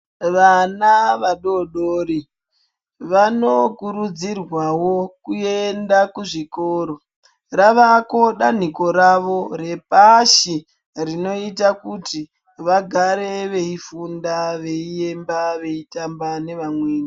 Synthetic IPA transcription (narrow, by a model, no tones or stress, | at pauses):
ʋanaʋaɗo̞ɗoːɾi | ʋanokuɾud͡zirwawo̞kue̞ndakuʐikoːɾo̞ | raʋako̞ɗan̤iko̞ɾaʋo̞ɾe̞paʃi | rino̞itakuti | ʋaɡʱaɾe̞ʋe̞ifundaʋe̞ie̞mbaʋe̞itambane̞ʋamweːni